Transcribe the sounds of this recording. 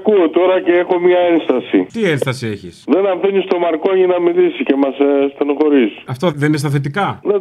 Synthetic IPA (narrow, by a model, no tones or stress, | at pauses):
kuot̪o̞ɾɐceexo̞mɲɐe̞nst̪ɐsḭt̪ienst̪ɐsieçisðe̞nɐɱfinist̪o̞mɐɾkoɲinɐmilisice̞mɐsst̪enoxo̞ɾisɐft̪oðeninest̪ɐθet̪ikɐne